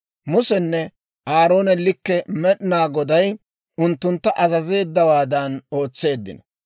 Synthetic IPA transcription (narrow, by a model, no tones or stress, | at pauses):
mʊsɛnːɛ | ʔaːɾo̞ːnɛlɪkːɛmɛɗɪnaːɡɔd̪ɐj | ʊnt̪ːʊnt̪ːɐʔɐzɐze̞ːd̪ːɐwaːd̪ɐno̞ːt͡sːe̞ːd̪ːɪ̰nɐ